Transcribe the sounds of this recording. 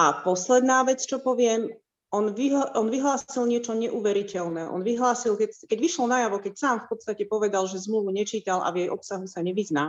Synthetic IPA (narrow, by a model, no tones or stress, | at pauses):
ʔapɔslɛd̪naːʋɛt͡st͡ʃɔpɔʋɪɛm | ɔnʋiɔnʋiɦlaːsilɲɪɛt͡ʃɔɲɛʔuːʋɛɾicɛlnɛːʔɔ̰nʋiɦlaːsilkɛkɛɟʋiʃlɔnajaʋɔkɛcsaːmfpɔt̪st̪acɛpɔʋɛd̪alʒɛzmluʋuɲɛt͡ʃiːt̪alʔa̰ʋjɛjʔɔpsaɦusaɲɛʋiznaː